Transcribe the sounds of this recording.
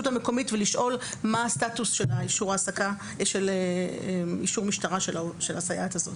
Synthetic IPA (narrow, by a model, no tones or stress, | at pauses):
utameko̞mitveliʃʔo̞lmaːstatusʃelaiʃuʁaːsaka | ʃeleeiʃuʁmiʃtaʁaʃeʃelasajathazo̞̰t